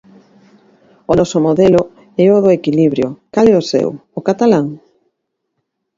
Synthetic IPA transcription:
ʊnɔsʊmoðɛlʊ | ɛʊðʊekiliβɾjʊ̰kalɛosɛ̰wʊkat̪alaŋ

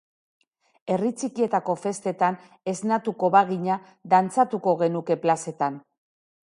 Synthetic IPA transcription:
e̞rit͡sikie̞t̪ako̞fe̞st̪e̞t̪an | e̞znat̪uko̞βaɣiɲa | ðant͡sat̪uko̞ɣ̞e̞nuke̞plase̞t̪an

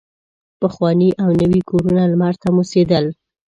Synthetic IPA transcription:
pəxwɑniʔawnəwikʰoɾunalmaɾt̪amused̪əl

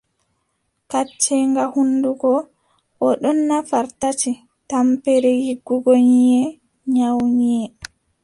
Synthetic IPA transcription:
kat͡ʃːɛŋɡahunduɡɔ | ʔɔɗɔnːafaɾtati | tampɛɾɛhiɡːuɡoɲijɛ | ɲawɲiɛ

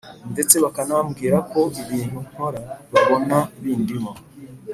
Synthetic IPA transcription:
nde̞t͡se̞βakanaβamɡiːɾako̞iβiːn̥hun̥hoɾaβiβonaβiːndimo

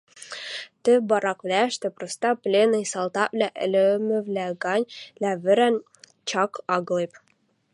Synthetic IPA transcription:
t̪ɘ̆bɑɾɑkvlʲæʃt̪ɘpɾost̪ɑplʲenɤjsɑlˠt̪ɑvlʲæʔɘ̰lʲɘmɘ̆vlʲæɡɑnʲlʲævɘ̆ɾæn | t͡ɕɑkɑɡlˠep

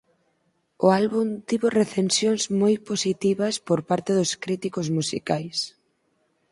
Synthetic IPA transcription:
ʊalβunt̪iβoreθensjoŋzmojposit̪iβɐspoɾpaɾt̪eðʊskɾit̪ikozmusḭkajs

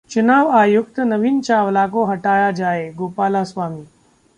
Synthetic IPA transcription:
t͡ʃunaːʋaːjukt̪ənəʋiːnt͡ɕaʋlakoɦɐʈaːjad͡ʒaːeɡoːpaːlasʋaːmiː

